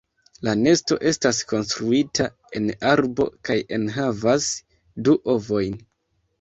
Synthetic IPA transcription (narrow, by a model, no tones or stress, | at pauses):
lane̞sto̞̰ʔe̞stasko̞nstɾuitʰa | e̞naɾbo̞̰kaje̞nɦavas | duʔo̞vo̞jn